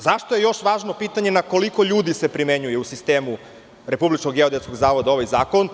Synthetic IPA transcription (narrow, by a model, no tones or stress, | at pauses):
zaʃt̪oje̞jo̞ʃʋaːʒno̞piːt̪aɲe̞nako̞liko̞ʎuːd̪ise̞pɾimeɲujeusist̪e̞ːmu | ɾe̞publit͡ʃkoɡjeod̪et̪skoɡzaːʋo̞d̪ao̞ʋajzaːko̞n